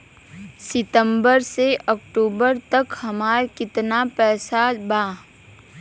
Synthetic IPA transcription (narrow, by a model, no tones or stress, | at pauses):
sɪt̪ə̃mbəɾseʔɔkʈuːbəɾt̪ɐkhɐmaːɾkɪt̪napɛːsabaː